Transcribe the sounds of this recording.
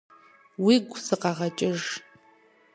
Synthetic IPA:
wiɡʷsɨqɑʁɐt͡ʃʼɪʐ

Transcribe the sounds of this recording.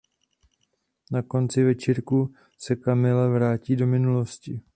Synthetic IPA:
nako̞nt͡sɪvɛt͡ʃiɾku | sɛkamɪlɛvɾaːciːdo̞mɪnulo̞scɪ

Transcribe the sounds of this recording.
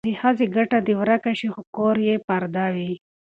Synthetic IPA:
ihaziɡaʈad̪iwɾakaʃixokoɾjepaɾd̪awi

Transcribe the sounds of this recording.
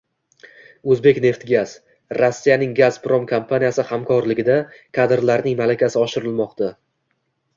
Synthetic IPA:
ɵzbe̞kʲne̞ft̪ɡʲaz̥ | ɾasːijanɪŋɡazpɾomkʰompʰanijasɪhamkʰɒɾlɪɡʲɪd̪akʰad̪ɾlaɾnɪŋmalakʲʰasɪɒʃɪɾɪlmɒqt̪ʰa

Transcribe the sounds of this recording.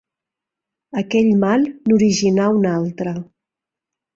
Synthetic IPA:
əkɛʎmalˠnuɾiʒinaunalˠt̪ɾə

